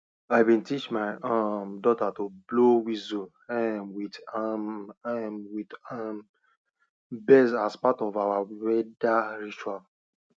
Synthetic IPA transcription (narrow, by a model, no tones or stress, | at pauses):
aɪbĩntit͡ʃmaɪʔamdɔtatoblowizo | ɛmwit | mwitam | bɛsaspatɔvawawɛdaɹit͡ʃual